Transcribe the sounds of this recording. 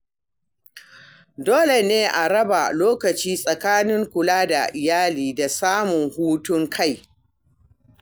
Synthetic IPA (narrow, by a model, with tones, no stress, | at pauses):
doː˦le˨neː˦ʔa˨ɾɐ˦ba˨loː˦kɐ˨t͡ʃiː˦sʼɐ˨kaː˦nɪ˦ŋkʷʊ˨laː˦da˨ʔɪ˨jaː˦liː˨da˨saː˦mʊ˨ŋhuː˦tʊ˦ŋkʰa˦˨j